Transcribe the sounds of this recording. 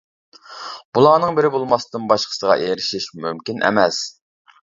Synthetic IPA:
b̥ulˠɑːnɨŋbɪɾɪbolˠmɑsd̪ɨnbɑʃqʰə̥səʁɑ̰ʔeɾɪʃiʃmymkʲinʔɛ̰mɛs

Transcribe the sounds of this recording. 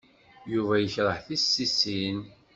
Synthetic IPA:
juvæjəçɾˤəħθisːisin

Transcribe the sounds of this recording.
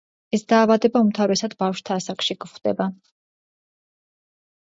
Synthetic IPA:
ɛsd̪aːvad̪ɛbaumt̪ʰavɾɛsad̪bafʃt̪ʰaːsakʃiɡχd̪ɛba

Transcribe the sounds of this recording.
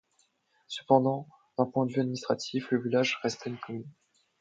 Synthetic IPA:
sə̥pɑ̃d̪ɑ̃ | d̪̥ɛ̃pwɛ̃d̪əvyad̪minist̪χat̪ʰifləvilaʒʁɛst̪ʰɛynkɔmyn

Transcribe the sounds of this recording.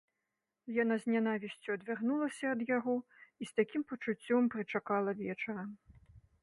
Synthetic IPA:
janazʲnʲanavʲisʲt͡sʲuɐd̪vʲaɣnulˠɐsʲɐːd̪jaɣɔist̪akʲimpɐt͡ʂut͡sʲːɔmpɾɨt͡ʂakalˠɐvʲɛt͡ʂɐɾɐm

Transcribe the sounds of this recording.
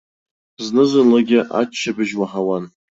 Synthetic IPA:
znɨzɨnlaɡʲɪʔa̰t͡ʃʰːabɨʒwaħawan

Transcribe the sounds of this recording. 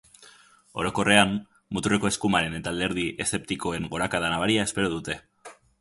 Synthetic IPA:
o̞ɾo̞ko̞re̞am | mut̪ureko̞e̞skumaɾe̞ne̞t̪ald̪e̞ɾðiʔe̞se̞p̚t̪iko̞e̞ŋɡo̞ɾakaðanaβ̞aɾiae̞spe̞ɾo̞ð̞ut̪e̞

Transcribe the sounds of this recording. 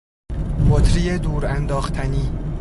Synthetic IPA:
bot̪ʰɾijed̪uːɾænd̪ɒːxt̪ʰæniː

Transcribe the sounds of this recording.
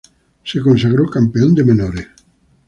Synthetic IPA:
sekonsaɣɾokampeond̪emenoɾe

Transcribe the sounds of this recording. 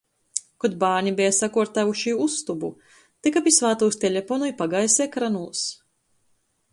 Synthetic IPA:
kɔd̪̚baːɾɲibɛjasakuɔɾt̪avuʃiust̪ubu | t̪ikapisvaːt̪uwst̪elʲefɔnujpaɡajsɛːkɾanulˠs

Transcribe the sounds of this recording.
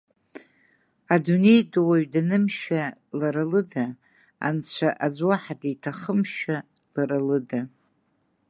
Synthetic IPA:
adune̞jdwaɥdanɨmʃalaɾalɨda | a̰nt͡ɕʷʰaʔad͡zʷwaħadajtʰaχəmʃa | laɾalɨda

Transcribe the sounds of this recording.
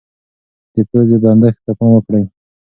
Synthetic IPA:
d̪̥əpəzeband̪axt̪apɑmwəkɽəj

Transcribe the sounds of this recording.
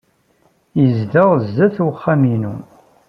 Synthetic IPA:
jəzðəʁzːæθuχːaminṵ

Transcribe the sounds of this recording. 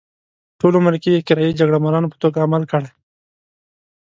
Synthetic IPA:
ʈolomaɾkijekɪɾɑjid͡ʒaɡɽamalɑnopə̥t̪oɡaːmalkəɽaj

